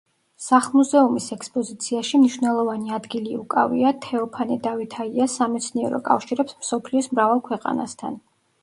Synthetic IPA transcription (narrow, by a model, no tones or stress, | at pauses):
saχlˠmuzɛumisɛkspʼɔzit̪sʰiaʃimniʃvnɛlˠɔvaniad̪ɡiliukʼa̰vḭat̪ʰɛɔpʰanɛd̪avit̪ʰaiasamɛt̪sʰniɛɾɔ̰kʼa̰fʃiɾɛpsmsɔpʰliɔsmɾavalˠkʰwɛqʼa̰na̰st̪ʰa̰n